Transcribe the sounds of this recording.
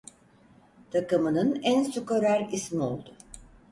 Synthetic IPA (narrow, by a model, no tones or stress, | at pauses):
t̪ʰakɯmɯnɯnænsukoɾæɾismio̞̰lˠd̪ʊ